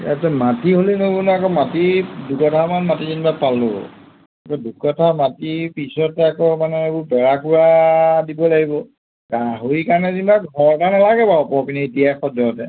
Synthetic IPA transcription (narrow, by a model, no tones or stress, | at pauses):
atɛmatiɦolinobunɔakɔmatidukɔtʰamanmatizinbapalʊ | akɔdukɔtʰamatipisɔtɛakɔmanɛebʊɹbɛɹakuɹadibɔlaɡibɔ | ɡaɦoikaɹnɛzinbaɡʱɔɹtanalaɡɛbaɔpɔkinietijajxɔdɔtɛ